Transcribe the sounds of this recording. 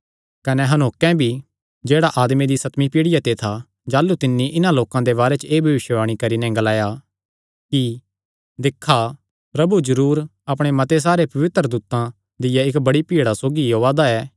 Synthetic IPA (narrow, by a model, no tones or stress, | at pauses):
kɐnɛɦɐnoːkɛ̃bʱi | d͡ʒeːɽaʔaːd̪med̪isɐt̪mipiːɽɪjat̪et̪ʰa | d͡ʒaːlːut̪ɪnːiʔɪnãloːkãd̪eβaːɾɛt͡ʃeːbʱɐʋɪʃəʋaːɽ̃ikɐɾinɛɡɐlaːja | ki | d̪ɪkʰːa | pɾɐbud͡ʒɐɾuːɾɐpɽ̃emɐt̪es̬aːɾepɐʋɪt̪ɾəd̪uːt̪ã | d̪ɪjaɪkbɐɽipiːɽasoːɡijoːʋaːd̪aɛː